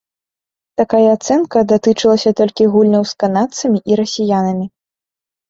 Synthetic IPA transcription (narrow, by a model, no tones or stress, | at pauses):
t̪akajɐːt̪sɛnkɐd̪at̪ɨt͡ʂɨlˠɐsʲɐt̪ɔlʲkʲiɣulʲnɐwskanat̪sɐmʲiʔiɾɐsʲijanɐmʲi